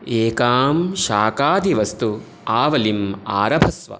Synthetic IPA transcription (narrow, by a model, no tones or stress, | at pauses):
eːkaːmʃaːkaːd̪ʱiʋɐst̪u | aːʋɐlimaːɾɐbʱɐsʋɐ̰